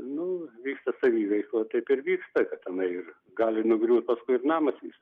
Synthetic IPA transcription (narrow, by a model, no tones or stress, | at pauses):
nʊʋʲiːkst̪ɐsɐʋʲiːʋɐɪklˠoːt̪ɐɪpɪɾʋʲiːkst̪ɐkɐt̪ɐnɐɪɪr | ɡɑːlʲɪnʊɡɾʲuːt̪̚pɐskʊɪɪrnɑːmɐsʋʲḭːkst̪ɐ